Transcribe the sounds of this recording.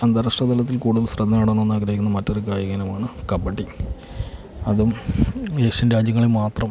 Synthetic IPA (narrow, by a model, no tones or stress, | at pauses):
ɐnd̪ɐɾɐʂʈɐd̪ɐlɐt̪ːilkuːɽuðɐlsrɐd̪ːɐnaːɽenːoenːaːɡɾɐɦikʲːunːɐmɐtːo̞ɾukaːjɐɣɐnɐmaːɳɨkɐmbɐʈːi | ɐðumeːkʂɐnɾaːd͡ʑjɐŋːɐɭilmaːt̪rɐm